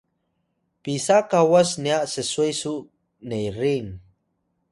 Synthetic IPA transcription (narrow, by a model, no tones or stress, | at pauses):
pisakawasniaʔsəsuajsuʔ | nejɾiŋ